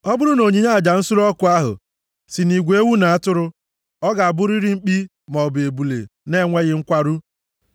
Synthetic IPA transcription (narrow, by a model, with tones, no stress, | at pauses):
ɔ˦bʊ˦ɾʊ˦no˨ɲi˨ɲa˦˨d͡ʒa˨n̩˦sʊ˦ɾɔ˦kʊ˨˦a˦ɦʊ̰˨ | si˨ni˨ɡʷe˦e˦wu˦na˨a˦tʊ˦ɾʊ˦ | ɔ˦ɡa˨a˨bʊ˦ɾi˦ɾi˦ŋ͡m̩˦k͡pi˦ | mɔ˨be˨bu˨lḛ˨ne˦˨ŋʷe˦ɣɪ˦ŋ̩˦kʷa˦ɾu˦